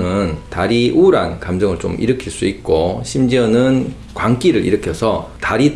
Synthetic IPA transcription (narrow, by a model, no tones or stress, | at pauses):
nɯntaɾiʔuɾankamd͡ʑʌŋɯɭt͡ɕomʔḭɾɯkʰiɭs͈uit̚k͈oɕʰimd͡ʑiʌnɯn | kwaŋk͈iɾɯɾḭɾɯkʰjʌsʰʌtaɾi